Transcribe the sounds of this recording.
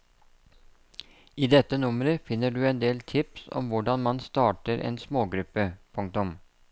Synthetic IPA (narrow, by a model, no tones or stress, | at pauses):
iːd̪ɛt̪ːənʊməɾəfɪnːəɖʉːɛnd̪eːlt̪ʰɪpsɔ̰mʋʊɖɑnmɑnst̪ɑːʈəɾʔḛːnsmoːɡɾʉpːəpʰʊŋkt̪ʊm